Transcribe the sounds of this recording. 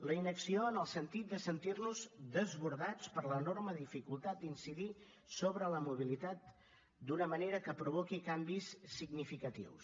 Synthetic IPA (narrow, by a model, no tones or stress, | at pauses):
ləinəksioənəlˠsənt̪it̪̚d̪əsənt̪irnuzd̪əzβuɾðat͡spəɾlənorməðifikulˠt̪at̪̚d̪insiði | soβɾələmuβ̞ilit̪at̪̚ | d̪unəməneɾəkəpɾuβ̞okikambissːiɡnifikət̪ḭws